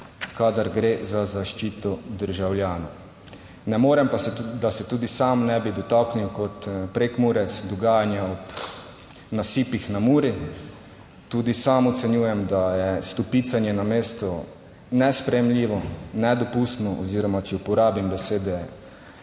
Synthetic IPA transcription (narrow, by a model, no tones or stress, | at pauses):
kad̪aɾɡɾeːzazaʃt͡ʃiːt̪ɔd̪əɾʒawljaːna | nɛmoːɾɛmpad̪asɛt̪uːd̪isamnɛbid̪ɔt̪akniwkɔt̪pɾekmuɾɛt̪sd̪ɔɡaːjanjaɔp | nasiːpixnamuːɾi | t̪uːd̪isamɔt̪sɛnjuːjɛmd̪ajɛst̪ɔpit̪sanjɛnameːst̪ɔ | nɛspɾɛjɛmliːʋɔnɛd̪ɔpust̪nɔʔɔziːɾɔmat͡ʃɛupɔɾaːbimbɛseːd̪ɛ